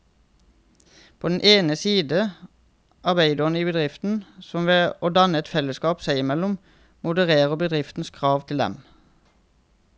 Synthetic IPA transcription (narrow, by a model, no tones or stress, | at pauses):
pʰoːd̪n̩ʔeːnəsiːd̪ə | ʔɑbæɪd̪əʁnəiːbəd̪ʁɪft̪n̩sɔmʋeːoːd̪ɑnəɛt̪fɛləskɑːpsæɪɪmɛlʊm | mʊd̪əʁeːʁəbəd̪ʁɪft̪n̩skʰʁɑːʋt̪ʰɪld̪ɛ̰m